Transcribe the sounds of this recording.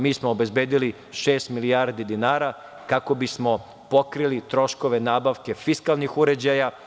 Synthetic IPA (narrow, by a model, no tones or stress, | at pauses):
miːsmoobe̞zbe̞ːd̪ili | ʃe̞ːst̪milijaːɾd̪id̪inaːɾa | kako̞bismo̞ | po̞kɾilit̪ɾo̞ʃko̞ʋe̞naːbaʋke̞fiskalˠnixuɾe̞d͡ʑaja